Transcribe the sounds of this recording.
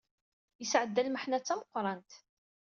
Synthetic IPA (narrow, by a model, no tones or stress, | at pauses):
jəsʕəd̪ːælməħnæt͡sːæməqːɾˤɑnt̪